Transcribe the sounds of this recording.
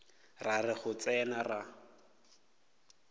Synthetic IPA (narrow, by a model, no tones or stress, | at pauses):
rarɪχʊt͡sɛnara